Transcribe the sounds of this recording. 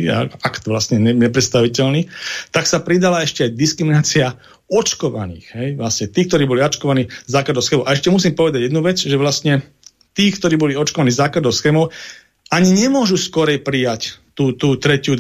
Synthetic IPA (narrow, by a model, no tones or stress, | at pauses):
a̰akt̪ʋlasɲɛɲɛɲɛpɾɛt̪st̪aʋicɛlniːt̪aksapɾid̪alaɛʃcɛajd̪iskɾiminaːt͡sia | ɔt͡ʃkɔʋa̰nḭːɣɦɛjʋlasɲɛt̪iːk̚t̪ɔɾiːbɔliɔt͡ʃkɔʋaniːzaːklad̪ɔʊsxɛːmɔʊʔaɛʃcɛmus̬iːmpɔʋɛd̪aɟjɛd̪nuʋɛd͡zʒɛʋlastɲɛ | t̪iːkt̪ɔɾiːbɔliɔt͡ʃkɔʋaniːzaːklad̪ɔʊsxɛːmɔʊ | aɲiɲɛmʊɔʒuskɔɾɛjpɾijact̪uːt̪uːt̪ɾɛcɪu